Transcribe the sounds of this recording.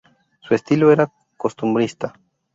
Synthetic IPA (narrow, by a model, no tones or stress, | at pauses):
sue̞st̪iloeɾa | kost̪umbɾist̪a